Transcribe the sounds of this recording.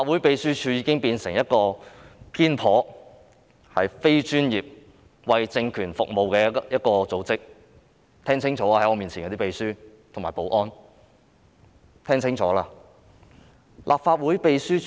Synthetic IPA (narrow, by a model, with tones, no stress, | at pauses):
aː˧t̚wu˨˥jpe˧jsyː˥t͡ʃʰyː˧jiː˨˧kɪ˥ŋpiː˧nsɪ˨˩ŋjɐ˥t̚kɔː˧pʰiː˥npʰɔː˨˥ | hɐ˨jfe˥jt͡ʃyː˥njiː˨p̚ | wɐ˨jt͡sɪ˧ŋkʰyː˨˩nfʊ˨k̚mo˨˧wkɛː˧jɐ˥t̚kɔː˧t͡so˨˧wt͡sɪ˥k̚ | t̪ʰɛː˥ŋt͡sʰɪ˥ŋt͡ʃʰɔː˨˥aː˧ɐ˨˥jɔː˨˧miː˨˩nt͡sʰi˨˩kɔː˧t̪iː˥pe˧jsyː˥t̪ʰʊ˨˩ŋmaː˨˩po˨˥wʔɔː˥n | t̪ʰɛː˥ŋt͡sʰɪ˥ŋt͡ʃʰɔː˨˥laː˧ | lʔaː˨p̚faː˧t̚wuː˨˥jpe˧jsyː˥